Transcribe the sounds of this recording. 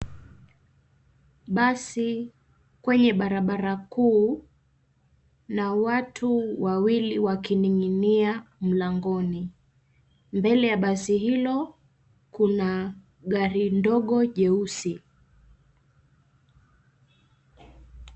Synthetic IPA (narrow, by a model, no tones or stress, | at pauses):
ɓasi | kwɛɲɛɓaɾaɓaɾakuː | nawatʰuwawiliwakiniŋiniam̩laŋɡɔni | mbɛlɛjaɓasihilɔ | kuna | ɠaɾindɔɠɔʄɛusi